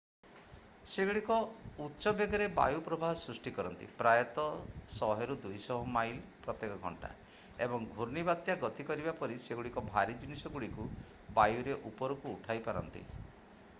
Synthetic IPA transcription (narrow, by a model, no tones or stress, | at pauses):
seɡuɽikɔutːʃɔbeɡɔɾeba̰jupɾɔbʱaɦɔsɾusʈikɔɾɔnt̪ḭpɾajɔt̪ɔsɔɦeɾud̪ujsɔɦɔmajlpɾɔt̪ːekɔɡʱɔ̰ɳʈa̰ | ebɔŋɡʱuɾnibat̪jaɡɔt̪ikɔɾibapɔɾiseɡuɽikɔbʱaɾid͡ʒinisɔɡuɽiku | bajuɾeʔupɔɾukuːʈʰajpaɾɔ̰nt̪ḭ